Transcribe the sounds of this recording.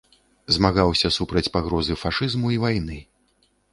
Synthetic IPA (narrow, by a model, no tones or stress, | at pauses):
zmaɣawsʲɐsupɾɐt͡sʲpaɣɾɔzɨfaʂɨzmuivajnɨ